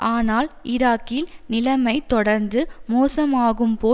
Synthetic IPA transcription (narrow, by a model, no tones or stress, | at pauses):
ʔaːnaːlʔɪɾaːkːɪlnɪlɐmɐɪt̪ːɔɽɐɾnd̪ɯmoːsɐmaːɣɯmpoː